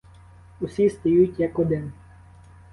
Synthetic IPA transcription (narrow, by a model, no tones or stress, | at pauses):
usʲist̪ɔjutʲjɐkɔd̪ɪn